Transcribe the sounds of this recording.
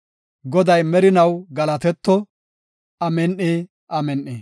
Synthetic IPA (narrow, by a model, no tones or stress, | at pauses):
ɡɔd̪ɐjmɛɾɪnɐwɡɐlɐt̪ɛt̪ːɔ | ɐmɛnʔeː | ʔɐmɛnʔeː